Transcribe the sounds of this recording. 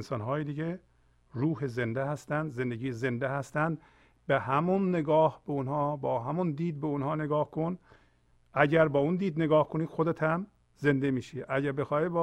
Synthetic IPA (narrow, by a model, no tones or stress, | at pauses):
nsɒːnɦɒːjed̪iɟe | ɾuːhezend̪ehæst̪ænd̪zend̪eɡiːezend̪ehæst̪ænd̪ | behæmunːeɡɒːhbeonhɒːbɒːɦæmund̪iːd̪̚beonhɒːneɡɒːhkʰon | ʔæɟæɾbɒːund̪iːd̪neɡɒːhkʰoniːd̪̥xod̪et̪ʰæm | ze̞nd̪emiːʃiʔæɟæɾbexɒːibɒ